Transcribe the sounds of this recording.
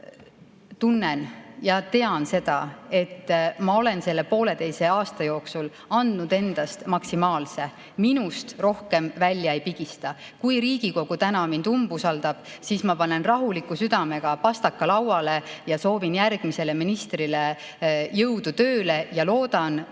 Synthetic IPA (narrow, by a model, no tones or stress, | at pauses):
t̪unːenjɑt̪e̞ɑnse̞d̪̥ɑ̰e̞t̪ːmɑo̞le̞nse̞lːe̞po̞ːle̞t̪e̞jse̞ɑːst̪ɑjo̞ːksul | ɑnd̪nud̪̥e̞nd̪̥ɑst̪mɑksimɑːlse̞ | minust̪ro̞hke̞mvælʲjɑejpiɡ̥ist̪ɑ | kujɾiːɡ̥iko̞ɡ̥ut̪ænɑmind̪umb̥usɑld̪̥ɑb̥siːsmɑpɑne̞nrɑɦulikːˑusyd̪̥ɑme̞ɡ̥ɑpɑst̪ɑkːɑlɑwɑle̞jɑso̞ːvinjærɡ̥mise̞le̞minist̪rile | jɤwd̪̥ut̪ø̞ːle̞jɑlo̞ːd̪̥ɑn